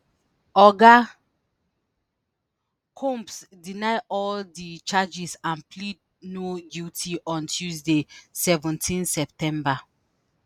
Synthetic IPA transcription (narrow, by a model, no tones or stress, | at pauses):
ɔɡa | kʰɔ̃mpsdinaɪʔɔldit͡ʃad͡ʒisãnplid | nodjutʰiʔɔ̃ntʰjuzdesɛvɔ̃ntʰĩnsɛp̚tɛ̃mba